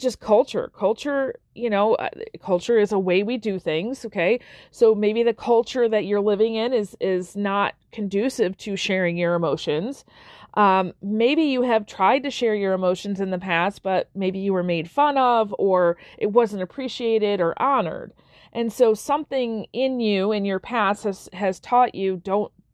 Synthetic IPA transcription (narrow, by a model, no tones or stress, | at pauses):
d̥ʒ̥ʌskʰʌlˠt͡ʃə̰˞kʰʌlˠt͡ʃə˞ | jɨnoʊʌ̰kʰʌlˠt͡ʃə˞ɨzəweɪwidɨθɪ̃ŋz̥oʊkʰeɪsoʊmeɪbiðɨkʰʌlˠt͡ʃə˞ðɨt͡ʃə˞lɪvɪ̃ŋɪ̃nɪzɪznət̚kʰɨ̃n̩dʉsɪv̥tʰɨʃɛɹɪ̃ŋjə˞ɨmoʊʃɨ̃nz̥ | ʔʌ̃meɪbijɨɨv̥tʰɹ̥aɪd̚tɨʃɛɹjə˞ɨmoʊʃɨ̃n̩zɨ̃nðɨpʰæs̚b̥ʌt̚meɪbijɨwə˞meɪd̥fʌ̃nʌvə˞ʔɨt̚wʌzə̃n̩tɨpʰɹ̥iʃieɪɾɪɾə˞ʔɑnə̰˞d | ʔɨ̃nsoʊsʌ̃mθɪ̃ŋɪ̃njʉɪ̃njə˞pʰæsthɨz̥ɨz̥tʰɔt͡ʃʉdõʊ̃nt̚